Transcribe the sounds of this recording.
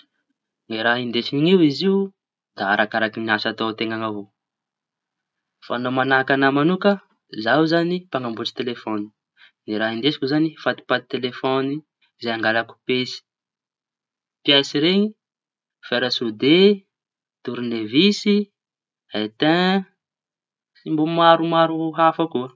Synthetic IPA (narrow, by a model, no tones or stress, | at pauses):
ŋiɾaɦind̪eʃiniŋiwiziu | d̪aaɾʔakaɾakiniasat̪ot̪eŋaŋavo | fa̰nomanakanəmanukə | zawzanipaŋambuʈ͡ʂi̥t̪elefoni̥ | niɾaɦind̪esi̥kʲuzanifat̪i̥pat̪i̥t̪elefoni | zeaŋɡalaku̥pesi̥ | piasiɾeɲi | feɾəsud̪e | t̪uɾunevisi | et̪ɛ̃ | simbumaɾumaɾuɦafakuə